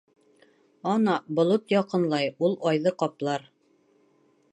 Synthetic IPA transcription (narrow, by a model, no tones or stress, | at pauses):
ɒnɑbŏlˠot̪jɒqɤ̆nlˠɑjulˠɒjðɤqɒplˠɑɾ